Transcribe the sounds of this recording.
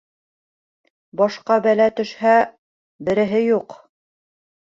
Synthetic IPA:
bɑʃqɑbælæt̪ɵ̆ʃhæ | bɘ̆ɾɘ̆ɦɘjuq

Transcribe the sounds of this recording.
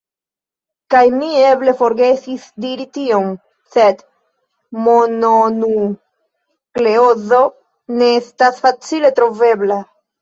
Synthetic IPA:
kajmie̞ble̞fo̞ɾɡe̞sisdiɾitio̞m | se̞d | mo̞nonu | kle̞o̞zo̞ | ne̞estasfat͡sile̞tɾo̞ve̞bla

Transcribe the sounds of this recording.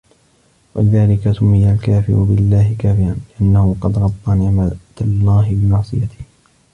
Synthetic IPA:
wa̰lɪðaːlɪkasʊmːɪjːalkaːfɪ̰ɾʊbɪlːaːɦɪkaːfɪɾanlɪʔanːahʊqɑd̪ɣɑb̪ˤːɑnɪʕmat̪alˤːaːɦɪbɪmɑʕsˤɨ̰jat̪ɪ̥h

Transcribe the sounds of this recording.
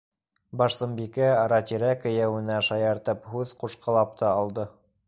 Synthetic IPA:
bɑʃsɤ̆mbikæɑɾɑt̪iɾækɘ̆jæwɘ̆næʃɑjɑɾt̪ɤphʉðquʃqɑ̆lˠɑp̚t̪ʰɑɑlˠd̪ɤ

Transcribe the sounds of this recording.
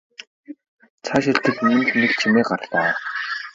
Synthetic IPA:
t͡sʰaʃ̬iɬt̪ɘ̆k̪mɵnt̪nekt͡ɕʰimeːɢarɮaː

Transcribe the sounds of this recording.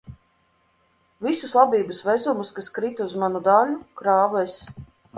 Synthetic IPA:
visuslˠabiːbɨsvɛzumuskaskɾit̪uzmanud̪aːlukɾaːvɛjs

